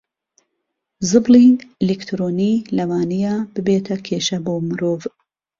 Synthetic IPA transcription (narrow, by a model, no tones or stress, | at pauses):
zɨbliilikt̪ʰɾoːniːlɐwaːnijaːbɨbeːt̪ʰɐkʰeːʃɐboːmɨɾoːv